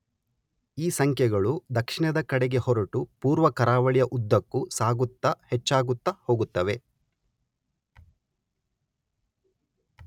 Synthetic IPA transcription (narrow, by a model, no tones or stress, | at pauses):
iːsɐŋkʰjɛɡɐɭud̪ɐkʂiɳɐd̪ɐkɐɽɛɡe̞hɔɾɐʈupuːɾʋɐkɐɾaːʋɐɭijɐʔud̪ːɐkːusaːɡut̪ːɐhet͡ʃːaːɡut̪ːɐho̞ːɡut̪ːɐʋe̞